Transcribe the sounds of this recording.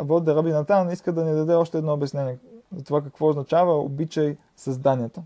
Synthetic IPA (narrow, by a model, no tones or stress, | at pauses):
vɔd̪ɛɾɐbinɐt̪aniskəd̪ɐnid̪ɐd̪ɛɔʃt̪ɛːd̪nɔobɛsnɛniɛzɐt̪ovakəkvɔʊznɐt͡ʃavəo̰bit͡ʃəj | sɐzd̪aniət̪ə